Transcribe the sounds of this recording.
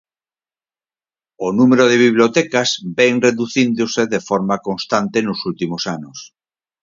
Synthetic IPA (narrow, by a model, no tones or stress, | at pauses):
onumeɾoð̞eβiβ̞ljot̪ɛkazbɛŋreðuθind̪oseðefɔɾmakonst̪ant̪enʊsult̪imosanʊs